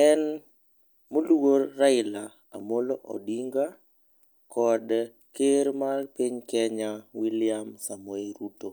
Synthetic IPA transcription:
ɛn | moluɡorːaɪla | a̰moloʔɔ̰diŋɡa | kʰɔd | keɾmalpiɲkɛɲawilɪjamsamueɾuto

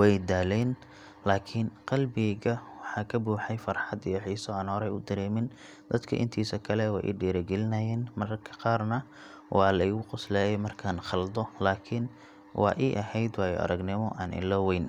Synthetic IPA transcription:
wɛjd̪aːlɛn | laːkʰɪnqɑlbɪɣɐwɑħɑːkʰɐbuːħɛjfɐrħɑd̪ijɐħiːsɔaːnhɔɾɛjʊd̪ɐɾɛːmɪn | d̪̥ɐd̪kʰɐ̰ʔɪ̰nt̪ʰiːsɐkʰɐlɛwɑ̰ːʔḭɖiːɾɐɡɛlɪnɐjɛːnmɐrkʰɐ̥qɑːrnɐ | wɑːlɐɪɣʊqʊslɛːjɛmɐrkʰaːnχɑld̪ɔlaːkʰɪn | wɑ̰ːʔiːʔɐhɛjd̪wɑːjɔ̰ʔɐ̰ɾɐɡnɪmɔʔaːnʔɪ̰lɔwɛjn

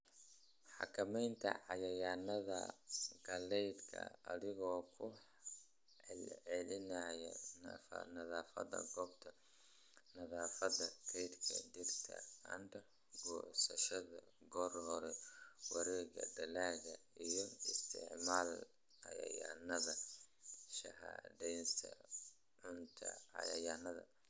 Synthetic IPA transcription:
ħɑ̰kʰɐmɛjnt̪ʰɐ̰ʕɑjɐjaːnɐðɐ̰ɡɐlɛjd̪kʰɐ̰ɐðɪɣɔːkʰʊ | ɛlʕɛlɪnɐjɛ̰nɐfɐ̰nɐðaːfɐ̰ðɐ̰ɡɔːbt̪ʰɐ | nɐðaːfɐðɐkʰɛjd̪kʰɐ̰dɪrt̪ʰɐ̰ɐnt̪ʰɐ | ɡɔːsɐʃɐðɐ | ɡɔːrhɔɾɛwɑɾɛːɣɐ̰d̪ɐlaːɣɐijɞɪst̪ʰɪʕmaːl | ʕɑjɐ̰ja̰ːnɐðɐ | ʃɐ̰ha̰ːdɛjnsʰɐ̰ | ʕʊnt̪ʰɐ̰ʕɑ̰jɐ̰janɐðɐ̰

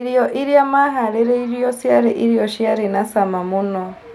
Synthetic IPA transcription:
ɾijoʔiɾjamaɦaɾeɾeiɾjosjaɾeʔiɾjoʃiaɾenasamamuno

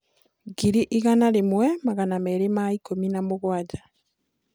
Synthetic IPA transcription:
ɡiɾiʔiɣanalimwemaɣanameɾemaikominamuɣwaɟa

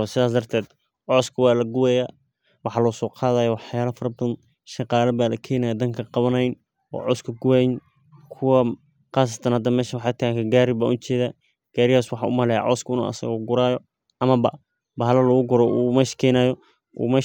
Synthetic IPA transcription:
sɪðaːs̬d̪ɐrt̪ʰɛːd̪ | ʕɔːskʰɐwɑːlɐɡʊwɛːjaː | wɑħɑːlɔːsɔːqʰɑːðaːjɔwɑħjaːlɐfɐrbðn | ʃɑqɑːlɐbaːlɐkʰɛːnaːjɐd̪ɐŋkʰɐqɑβɐnɐjn | ɔ̰ːʕɔskʰɐɡʊwɛjn | kʰʊwɐ | qɑːs̬ɐ̥t̪ʰɐnhɐd̪ɐːmɛːʃɐwɑħɑt̪ʰɐkʰɐɡaːɾɪbaːʔʊt͡ʃɛːðaː | ɡ̥aːɾɪhaːswɑħɑʊ̰mɐlɛja̰ʕɔ̰ːskʰʊɪnṵːɐ̰sɐ̰ɣɔɡʊɾaːjɔ | ʔɐmɐbɐ̰ | bɐɦɐlɐlɔɣʊɡʊɾɔʔuːmɛʃɐ̥kʰɛːnaːjɔ | ʔṵːmɐ

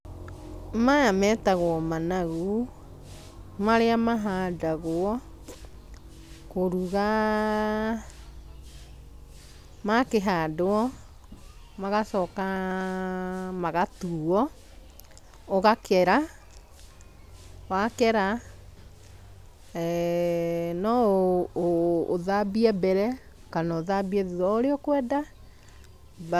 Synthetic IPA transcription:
majamɛtaɣwɔmanaɣu | maɾeamaɦadaɣoɔ | koɾuɣa | makeɦadoɔ | maɣasɔka | maɣatuɔ | oɣakɛɾa | wakɛɾa | nɔ | ðabiɛbɛɾɛ | kanaoðabiɛðɔoɾeɔkwɛda

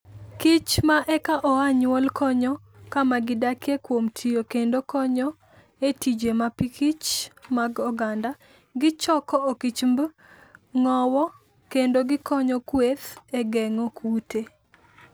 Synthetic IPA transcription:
kɪt͡ʃmaʔɛkaʔɔaɲwɔlkʰɔɲɔ | kamaɡɪdakʰekwomtʰijokendokɔɲɔ | etid͡ʒemapikit͡ʃmaɡɔɡanda | ɡɪt͡ʃɔkɔokit͡ʃmb | ŋɔwɔ | kendoɡɪkɔɲɔkweθɛɡɛŋɔkʰute

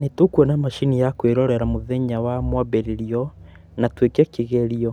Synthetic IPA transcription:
netokwɔnamaʃinijakweɾɔɾɛɾamoðeɲawamwaβeɾeɾiɔ | natwekɛkiɣeɾiɔ

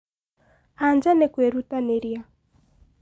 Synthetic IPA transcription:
and͡ʒanɛkwɛɾutanɛɾia

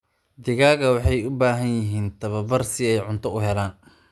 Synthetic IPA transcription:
d̪ɪɣaːɣɐwɑħɑjʊbaːɦɐnjɪɦiːnt̪ʰɐβɐbɐrsɪɛjʕʊnt̪ʰɔʊɦɛlaːn

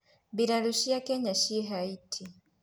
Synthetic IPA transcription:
βiɾaluʃijakeɲaʃiɦaitʰi

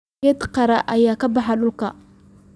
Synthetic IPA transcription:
et̪qɑɾaʔajaːkabaħalulka

